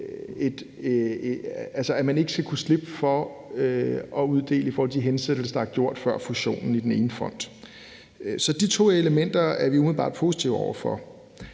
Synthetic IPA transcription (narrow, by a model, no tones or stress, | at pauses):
e̝d̥ | ælsəæmæne̝ɡ̥əsɡ̥ækʰusle̝b̥əfɒ̽øɒ̽uð̞ˠd̥e̝̰ːləifɔːɒl̰diɦensed̥l̩səd̥ɑæɐɡ̥jo̝ɐ̰d̥fɶɐ̰fuɕo̝̰ːnn̩id̥ene̝ːnəfɒ̽n̰d̥ | sɒ̽d̥it͡sʰo̝̰ːe̝ləmen̰d̥ɐæɐʋiumið̩ˠb̥ɑ̈ːd̥̚pʰo̝ːsi̥t͡sʰiʊɒʊ̰ɐfɒ̽